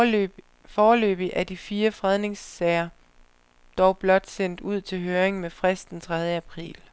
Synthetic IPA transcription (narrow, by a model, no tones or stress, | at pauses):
fɒːlø̰ːb̥iʔæɐd̥ifiːɐfʁað̞ˠne̝ŋsːɛɪɐ | d̥ɒʊb̥lɒ̽d̥sen̰d̥uð̰ˠt͡sʰe̝lɦøːɐeŋmefʁasd̥d̥ent͡sʰʁað̞ˠjəæpʰʁḭːl